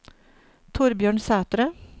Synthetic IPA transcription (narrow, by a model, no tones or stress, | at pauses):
t̪ʰʊɾbjøːɳsæːt̪ɾə